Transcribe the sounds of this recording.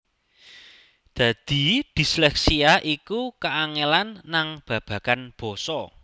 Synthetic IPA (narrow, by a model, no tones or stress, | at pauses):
d̪̥ä̤d̪̥i̤d̪̥i̤slɛksiaʔikukaaŋelanːaŋb̥ä̤b̥ä̤kanb̥ɔ̤sɔ